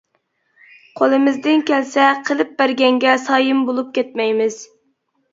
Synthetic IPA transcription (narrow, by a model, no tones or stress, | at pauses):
qʰolˠɨmɪzd̪ɪnkʲʰɛlsɛqʰəlˠɨp̚bæɾɡʲɛŋɡʲɛsɑːjɨmbolˠup̚kʲʰɛt̪̚mɛjmɪz̥